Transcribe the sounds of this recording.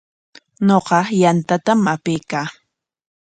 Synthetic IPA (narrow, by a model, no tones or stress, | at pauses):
ɲoqɑjant̪at̪amapɪjkaː